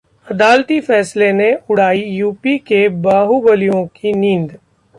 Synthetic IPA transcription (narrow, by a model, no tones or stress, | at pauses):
ɐd̪aːlt̪ifɛːsleneʊɽ̤aːijuːpikebaːɦubəlijõkinĩːnd̪